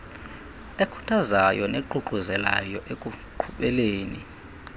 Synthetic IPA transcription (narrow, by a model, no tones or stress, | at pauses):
ekʰu̥tʰazajɔneǃuǃuzɛla̰jɔʔekʼuǃʰuɓɛleːni